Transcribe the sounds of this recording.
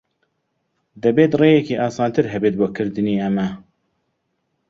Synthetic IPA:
d̪ɛbeːt̪reːjɛkiːʔɑːsɑːnt̪ʰɨɾɦɛbeːt̪̚boːkʰɨɾd̪ɨniːɛmɛ

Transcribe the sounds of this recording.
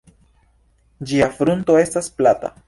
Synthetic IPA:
d͡ʒiafɾunt̪o̞e̞stasplat̪a̰

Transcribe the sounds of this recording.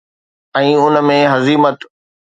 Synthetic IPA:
ɛ̃ːʊnmẽɦɐziːmət̪

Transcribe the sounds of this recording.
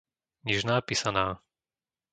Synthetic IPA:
ɲɛʒnaːpiːsanaː

